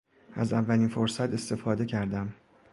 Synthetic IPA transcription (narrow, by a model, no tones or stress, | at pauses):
æzævːæliːnfoɾsæt̪ʰe̞st̪e̞fɒːd̪e̞cʰæɾd̪æm